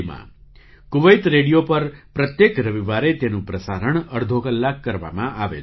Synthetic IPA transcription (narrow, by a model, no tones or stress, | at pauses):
mã̰ | kʊʋəjt̪ɾeɽijopəɾpɾət̪jekɾəʋiʋaɾet̪enũpɾəsaɾəɳ̃əɾd̪ʱokəlːakːəɾʋa̰mãʔaʋḛ